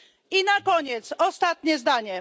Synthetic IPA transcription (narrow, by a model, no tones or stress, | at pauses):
inakɔɲɛt̪sɔst̪at̪̚ɲɛzd̪aɲɛ